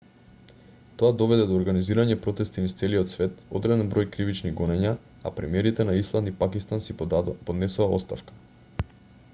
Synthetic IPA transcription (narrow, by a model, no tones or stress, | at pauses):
t̪oad̪ɔvɛd̪ɛd̪oːɾɡaniziɾaɲɛpɾɔt̪ɛst̪inist̪sɛliot̪svɛt̪o̰d̪ɾɛd̪ɛnbɾojkɾivit͡ʃniɡɔnɛɲa | a̰pɾɛmiɛɾit̪ɛnaislˠand̪ipakist̪ansipod̪nɛsuaɔ̰st̪afkḁ